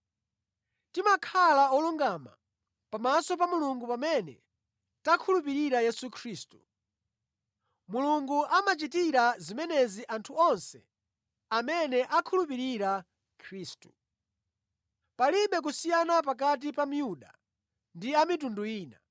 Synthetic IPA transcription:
timakʰalaɔluŋɡama̰ | pamasɔpamuluŋɡupamɛnɛ̰ | takʰulup̬iɾiɾajɛsukʰɾiːstu̥ | muluŋɡuʔamat͡ʃitiɾazimɛnɛziʔantʰuɔnsɛ | amɛnɛʔakʰulup̬iɾiɾa | kʰɾiːstu̥ | paliɓɛk̬usijanap̬ak̬at̬ipam̩juɗa̰ | ndiamit̬unduiːna̰

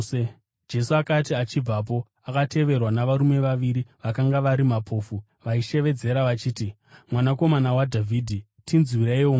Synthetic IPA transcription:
d͡ʒe̞suakatiat͡ʃib͡vap̬o̞ | akate̞ʋe̞rwanaʋaɾume̞ʋaʋiɾiʋakaŋɡaʋaɾimapʰo̞ːfu | ʋaiʃe̞ʋe̞d͡ze̞ɾaʋat͡ʃiːti | mwanako̞manawadʱavʱiːdʱi | tʰinzwiɾeiwo

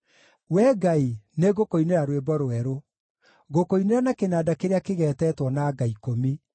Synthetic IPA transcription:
wɛːɡaineɣokoineɾaɾwebɔɾoɛɾo | ɡokoineɾanakenaːdakeɾeakeɣɛːtɛtwɔnaɡaikomi

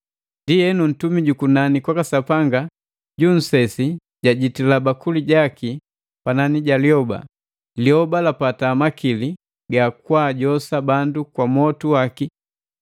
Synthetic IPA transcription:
ndijɛnun̩tumiɟukunanikwakasapaŋɡa | ɟun̩sɛsi | ɟaɟitilabakuliɟaki | pananiɟaliɔba̰ | liɔbalapataːmakili | ɡakwaːɟɔsabandukwamɔtuwaki

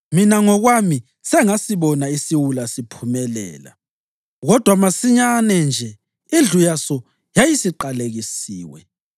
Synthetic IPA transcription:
minaŋɔɣwami | sɛŋasiβɔnaisiwulasipʰumɛlɛ̰ːla̰ | ɣɔd̥ʱwamasiɲanɛnd͡ʒʱɛ | ind͡ɮʱujasɔ | jajisiǃaleɣisiːwɛ

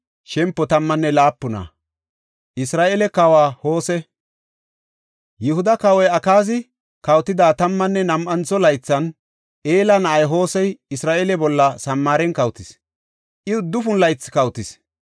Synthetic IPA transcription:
ʃɛmpːɔt̪ɐmːɐnːɛlaːpːʊnɐ̰ | ʔɪsɾaːʔelɛkɐwaːho̞ːsɛ | jɪhʊd̪ɐkɐwɔjɐkaːzɪ | kɐwt̪ɪd̪aːt̪ɐmːɐnːɛnɐmʔɐnt͡sːɔlɐjt͡sːɐn | ʔeːlɐnɐʔɐjɦo̞ːsɛjɪsɾaːʔelɛbɔlːɐsɐmːaːɾɛnkɐwt̪ɪs | ʔɪʊd̪ːʊfʊnlɐjt͡sːkɐwt̪ɪs

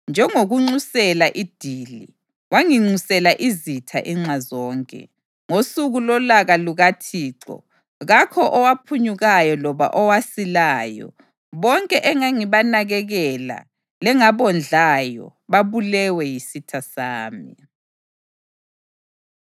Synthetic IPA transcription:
nd͡ʒʱɛŋoɣuŋ͡ǀusɛlaʔid̥ʱili | waŋiŋ͡ǀusɛlaʔizitʰa̰ʔiŋ͡ǁazɔːŋkʼɛ̰ | ŋosuɣulɔlaɣaluɣatʰiːǁɔ̰ | ɣakʰɔʔɔwapʰuɲuɣajɔlɔβa̰ʔɔwasilaːjɔ̰ | βɔŋkʼɛʔɛŋaŋiβanaɣɛɣɛla̰ | lɛŋaβɔnd͡ɮʱajɔ̰βaβulɛwɛjisitʰasaːmi

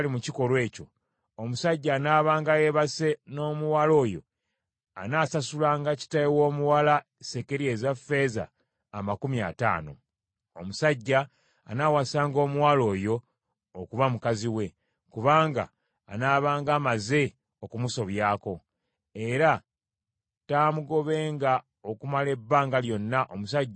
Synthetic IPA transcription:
limuciko̞lwe̞ːco̞̰ | omusaɟːaːnaːβaːŋɡajeβase̞no̞ːmuwaːlo̞ːjo̞̰ | a̰naːsasulaːŋɡaci̥taewo̞ːmuwala | se̞ke̞ɾie̞ːzafːe̞za̰ː | makumja̰ta̰ːno̞̰ | omusaɟːa̰ː | naːwasaːŋɡo̞ːmuwaːlo̞ːjo̞ː | kuβamukaziwe̞ | kuβaːŋɡa̰ː | naːβaːŋɡaːmaze̞ | o̞kumuso̞βjaːko̞ | e̞ɾa | taːmuɡo̞βe̞ːŋɡa | okumale̞bːaːŋɡaljo̞nːaʔomusaɟː

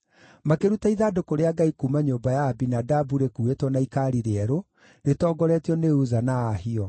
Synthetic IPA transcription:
makeɾutaiðaːdokoɾeaɡaikuːmaɲoːmbajaːbinadabuɾekuetwɔnaikaɾiɾeɛɾo | netɔːɡɔɾɛtiɔneuzanaːhiɔ

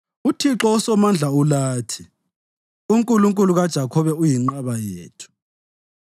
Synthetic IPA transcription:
utʰiǁɔusɔmand͡ɮʱaulaːtʰi̥ | uŋkʼuluŋkʼuluɣad̥ʒ̥ʱakʰɔβɛujiŋ͡ǃaβajeːtʰu̥

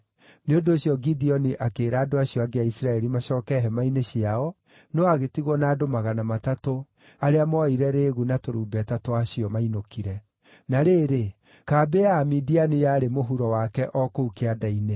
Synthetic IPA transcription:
neondoːɕjɔɡidiɔniʔakeːɾaːdoaɕijɔaɡeaisɾaɛɾimaɕɔːkɛɦɛmaineɕiaɔ | nɔaɣetiɣwɔnaːdomaɣanamatato | aɾeamɔiɾɛɾeːɣunatoɾuːbɛtatoaɕiɔmainokiɾɛ | naɾeːɾe | kabeaːmidianijaːɾemoɦuɾɔwakɛʔɔkoukeadaine

